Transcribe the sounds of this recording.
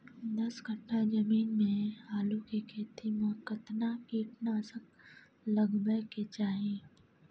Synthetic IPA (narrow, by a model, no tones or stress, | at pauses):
d̪ɐsɡʱəʈʰːad͡ʒɐmiːnmẽɦaːlukekʰeːt̪ʰimʊɦəkːət̪nakiːʈnasək | lɐɡbəɦket͡ʃaːɦĩː